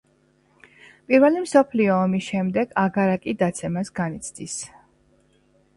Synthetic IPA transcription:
pʼiɾvɛlimsɔpʰliɔːmisʃɛmd̪ɛɡaɡaɾakʼid̪at̪sʰɛmasɡanit̪sʰd̪is

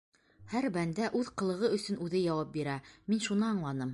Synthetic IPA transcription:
hæɾbænd̪æʔʉðqɤ̆lˠɤ̆ʁɤɵ̆sɵnʔʉðɘjɑwɑp̚biɾæminʃunɤɑɴlˠɑnɤm

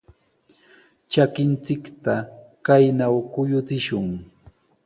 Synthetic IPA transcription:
t͡ʃakɪnt͡sɪkt̪akajnawkʊjʊt͡sɪʃʊŋ

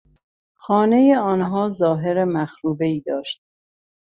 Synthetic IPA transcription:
xɒːne̞jeɒːnɦɒːzɒːɦe̞ɾemæxɾuːbe̞iːd̪ɒːʃt̪̚

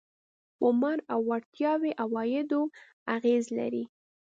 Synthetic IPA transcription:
ʊmaɾawːaɽt̪jɑweʔawɑjɪd̪o | aɣezla̰ɾi

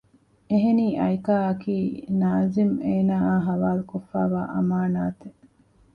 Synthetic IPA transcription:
eɦeniːʔɐjkaːɐkiːnaːzimeːnaːaːɦɐʋaːlukofːa̰ːʋa̰ːʔɐ̰maːnaːt̪e

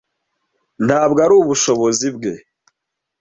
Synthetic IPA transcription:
n̥haːbɡaɾuːβuʃo̞βo̞zibɡe̞

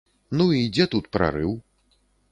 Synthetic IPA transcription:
nuid͡zʲɛt̪ut̪pɾa̰ɾɨw

